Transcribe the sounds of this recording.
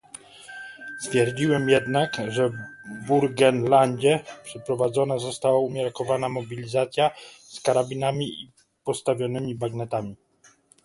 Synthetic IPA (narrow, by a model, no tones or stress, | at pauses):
st̪fʲjɛɾd͡ʑiwɛmjɛd̪nakʐɛbuɾɡɛnlaɲd͡ʑɛpʂɛpɾɔvad̪zɔnazɔst̪awaumʲjaɾkɔvanamɔbʲilʲizat̪sʲjaskaɾabʲinamʲii | pɔst̪avʲjɔnɘmʲibaɡnɛt̪amʲi